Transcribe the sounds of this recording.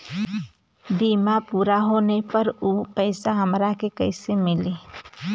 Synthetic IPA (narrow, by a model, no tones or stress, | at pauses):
biːmapuːɾaɦoːnepəɾuːpəɪsaɦəmɾakekəɪsemɪle